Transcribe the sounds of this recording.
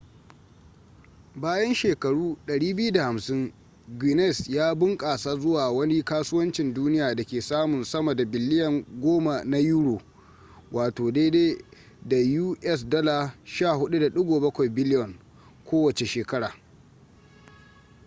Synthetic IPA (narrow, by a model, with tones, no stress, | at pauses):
baː˦jɐ˦nʃeː˨kɐ˨ɽuː˦ɗɐ˨ɽiː˦bɪ˦ju˦da˨ha˨msɪ˦ŋ | ɡi˨nɛ˦˨sjaː˦bʊ˦ŋkʼaː˨saː˦zʊ˦waː˨wɐ˦ni˦kaː˦sʊː˦wɐ˦nt͡ʃɪ˨nduː˦nɪ˦jaː˨dɐ˨kʲeː˨saː˦mʊ˨nsɐ˦mɐ˨da˨bɪ˨lːɪ˦jɐ˨ŋɡʷoː˦ma˨na˦juː˦ɽoː˨ | wʔaː˨toː˨deː˦deː˦ | da˨juː˦ʔɛ˦s̬dɔ˦la˨ʃaː˦˨hʊ˦ɗu˦da˨ɗʊ˦ɡʷoː˨bɐ˦kʷa˨jbɪ˦lɪ˦jɔ˨ŋ | kʰʷoː˦wɐ˨t͡ʃe˨ʃeː˨kɐ˦ɽaː˨